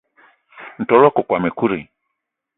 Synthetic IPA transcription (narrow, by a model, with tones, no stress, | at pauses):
n̩˨tɔ˨˦lɔ˦kɔ˨kwa˨mɛ˨ku˦ɾi˨